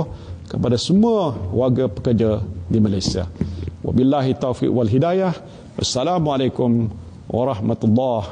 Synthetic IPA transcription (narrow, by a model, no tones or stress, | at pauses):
kəpadasəmuawaɡapə̥kəd͡ʒadimalajsia̰wa̰bilːaɦit̪ːawfḭʔwalɦidajah | ʔasːalamualajkum | wɑɾˤɑhmat̪ulːɑh